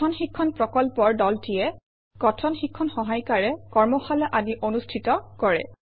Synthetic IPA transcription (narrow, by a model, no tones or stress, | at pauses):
ɔnxikʰːɔnpɹɔkɔlpɔɹdɔltijɛ | kɔtʰɔnxikʰːɔnxɔɦajkaɹɛkɔɹmɔxalɔʔaniʔonustʰitɔkɔɹɛ̰